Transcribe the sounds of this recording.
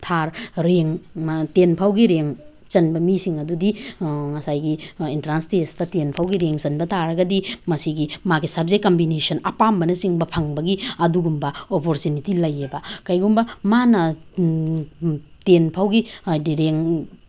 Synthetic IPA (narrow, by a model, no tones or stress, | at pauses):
tʰaɾɾeŋmtenpʰawɡiɾeŋ | t͡ʃɐnbɐmisiŋɐdudiŋɐsajɡiintɾanstestɐtenpʰawɡiɾeŋt͡ʃɐnbɐtʰaɾɐɡɐdimɐsiɡimaɡisab̚zek̚kːɐmbinesɐnɐpambɐnɐsiŋbɐpʰɐŋbɐɡiɐduɡumbɐopoɾtunitilɐjebɐkɐjɡumbɐmanɐ | tenpʰawɡidiɾeŋ